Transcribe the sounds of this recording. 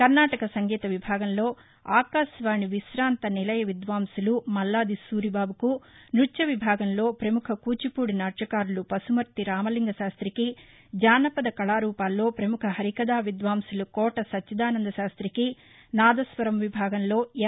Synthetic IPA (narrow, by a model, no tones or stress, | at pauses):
kɐɾnaːʈɐkɐsɐŋɡɛːt̪ɐʋibʱaːɡɐmlo̞ː | aːkaːsʋaːɳiʋisɾaːnt̪ɐnilɐjɐʋid̪ʋaːmsulumɐlːaːd̪isuːɾibaːbukunut͡ʃːɐʋibʱaːɡɐmlo̞ːpɾɐmukʰɐkuːt͡ʃipuːɽinaːt͡ʃɐkaːɾulupɐsumɐɾt̪iɾaːmɐliŋɡɐʃaːst̪ɾiki | d͡ʒaːnɐpɐd̪ɐkɐɭaːɾuːpaːlːo̞ːpɾɐmukʰɐɦɐɾikɐd̪aːʋid̪ʋaːmsulukɔːʈɐsɐtt͡ʃːɐd̪aːnɐnd̪ɐʃaːst̪ɾiki | naːd̪ɐsʋɐɾɐmʋibʱaːɡɐmlo̞ː